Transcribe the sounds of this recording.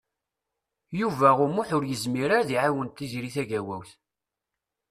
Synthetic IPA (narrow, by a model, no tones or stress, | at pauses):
juvæʁʊmʊħʊɾjəzmiɾaɾðiʕawənt̪ːizɾiθæʝæwæ̰wθ